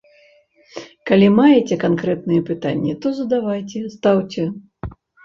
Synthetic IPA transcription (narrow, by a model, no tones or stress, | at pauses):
kalʲimajet͡sʲɛkankɾɛt̪nɨjɛpɨt̪a̰nʲːit̪ɔzɐd̪avajt͡sʲɛst̪awt͡sʲɛ